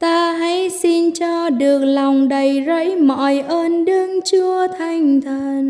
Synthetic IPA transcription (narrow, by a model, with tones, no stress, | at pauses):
t̪aː˧ɦa̰˧˥jsi˧nt͡ɕɔ˧ɗɨ˨˩ək̚la˨˩wŋ͡mɗə˨˩jzə̰˧˥jmɔ̰˧˨jʔəː˧nɗɨ˧əŋt͡ɕu˧ət̪ʰa˨˧˩jŋ̟t̪ʰəː˧˨˩n